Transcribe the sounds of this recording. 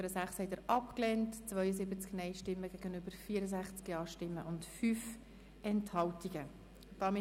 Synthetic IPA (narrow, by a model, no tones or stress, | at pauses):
əɾəzæχshɛɪtəɾʔɑpklɛːntt͡svœʏəzɪbət͡sknɛɪʃtɪmːəɡɛɡ̥ənøbəɾfiːəɾəzæχt͡skjɑːʃtɪmːəʔʊntfyːf | ɛnthɑltiɡ̥ə | tɑmɪ